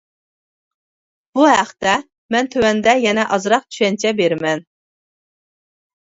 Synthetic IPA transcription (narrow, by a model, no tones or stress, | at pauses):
b̥uɦæχt̪ɛ | mɛnt̪ʰøwɛnd̪ɛjɛnɛʔɑzɾɑq̚t͡ʃ̪ʰy̥ʃɛnt͡ʃʰɛbeɾɪmɛn